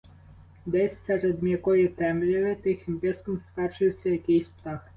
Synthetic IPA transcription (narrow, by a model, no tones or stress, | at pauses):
d̪ɛsʲsɛɾɛd̪mʲjɐkɔjit̪ɛmlʲiʋɪt̪ɪxɪmpʲɪskɔmskɑt͡ʃɪwsʲɐjɐkɪjsʲpt̪ɑx